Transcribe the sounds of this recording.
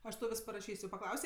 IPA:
ˈɐʃ tɐʊ ˈʋʲɪs pɐrɐˈʃʲiːsʲ jɛʊ pɐˈklˠɐʊsʲeː

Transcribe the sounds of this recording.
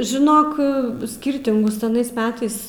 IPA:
ʒʲɪˈnoːk ˈsʲkʲiːrʲtʲɪŋɡʊs ɐˈnɐɪs ˈmʲæːtɐɪs

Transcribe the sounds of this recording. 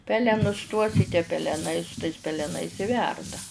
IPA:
ˈpʲæːlʲɛnʊs tuɔs ɪ tʲiɛ pʲɛlʲɛˈnɐɪ pʲɛlʲɛˈnɐɪs ɪ ˈʋʲɛrdɐ

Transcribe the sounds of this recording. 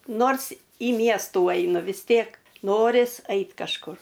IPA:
ˈnoːrs iː ˈmʲiɛstuː ˈɐɪnʊ ʋʲɪs ˈtʲeːk ˈnoːrʲɪs ˈɐɪt kɐʃˈkʊr

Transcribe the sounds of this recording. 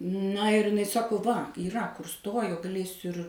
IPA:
nɐ ɪr ɪˈnɐɪ ˈsɑːkoː ʋɐ iːˈrɐ kʊr ˈstoːjoː ɡɐˈlʲeːsʲʊ ɪr

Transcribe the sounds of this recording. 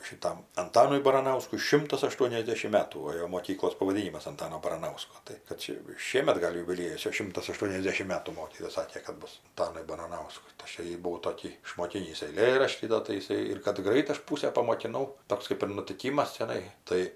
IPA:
ʃʲɪˈtɐm ɐnˈtɑːnʊɪ bɐrɐnɐʊskʊɪ ˈʃʲɪmtɐs ɐˈʃtuɔnʲɛzʲdʲɛʃʲɪm ˈmʲæːtuː oː ˈjoː moːˈkʲiːklˠoːs pɐʋɐˈdʲiːnʲɪmɐs ɐnˈtɑːnoː bɐrɐˈnɐʊskoː ˈtɐɪ kɐt ˈt͡ʃʲɛ jɛʊ ˈʃʲiɛmʲɛt ˈɡɐlʲ jʊbʲɪˈlʲiɛjʊs ˈt͡ʃʲɛ ˈʃʲɪmtɐs ɐˈʃtuɔnʲɛzʲdʲɛʃʲɪm ˈmʲæːtuː ˈmoːkʲiːtoːjɛ ˈsɑːkʲeː kɐt ˈbʊs ɐnˈtɑːnʊɪ bɐrɐˈnɐʊskʊɪ tɐɪ ˈɐʃ joː ˈjiː bʊˈʋɐʊ toːˈkʲiː ɪʃmoːˈkʲiːnʲiːs ɛɪˈlʲeːrɐʃʲtʲiː ˈdoː tɐɪ ɪˈsɐɪ ɪr kɐt ˈɡrɐɪt ˈɐʃ ˈpuːsʲæː pɐmoːkʲɪˈnɐʊ ˈtoːks kɐɪp ɪr nʊtʲɪˈkʲiːmɐs t͡ʃʲɛˈnɐɪ ˈtɐɪ

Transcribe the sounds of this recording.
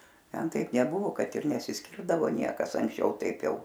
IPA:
ˈtʲɛn ˈtɐɪp nʲɛˈbʊʋoː ˈkɐt ɪr nʲɛsʲɪˈsʲkʲɪrdɐʋoː ˈnʲiɛkɐs ɐŋksʲˈt͡ʃʲɛʊ ˈtɐɪp ˈjɛʊ

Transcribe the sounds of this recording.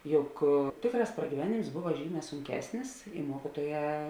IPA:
ˈjʊk ˈtʲeːkˌrɑːs prɐɡʲiːˈʋʲæːnʲeːms ˈbʊʋɐ ˈʒʲiːˌmʲɛː sʊŋʲˈkʲæːsʲnʲɪs ɪ ˈmuɔkʲiːtuɔˌjɛː

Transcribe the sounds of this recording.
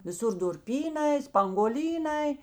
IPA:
ʋʲɪˈsʊr dʊrʲˈpʲiːˌnɐɪ spɐŋɡuɔˈlʲiːˌnɐɪ

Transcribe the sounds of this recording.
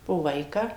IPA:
poː ˈʋɐɪkɑː

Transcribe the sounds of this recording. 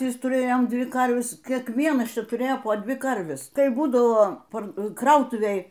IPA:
ˈʋʲɪs tʊˈrʲeːjoːm ˈdʲʋʲɪ ˈkɐrʲʋʲɛs kʲiɛkˈʋʲiɛnɐs ˈt͡ʃʲɛ tʊˈrʲeːjoː poː ˈdʲʋʲɪ ˈkɐrʲʋʲɛs ˈkɐɪ ˈbuːdɐʋoː ˈpɐr ˈkrɐʊtʊʋʲeːj

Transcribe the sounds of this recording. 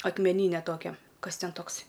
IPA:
ɐkmʲɛˈnʲiːnʲɛ ˈtoːkʲɛ ˈkɐs ˈtʲɛn ˈtoːksʲ

